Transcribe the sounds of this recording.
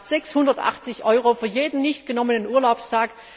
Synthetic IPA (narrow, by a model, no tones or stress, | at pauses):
tz̥ɛkshʊndɐtʔa̰χt͡sɪçʔɔʏʁofyːɐjeːdn̩nɪçtɡ̥ənɔmənənʔuːɐlaʊpstʰaːk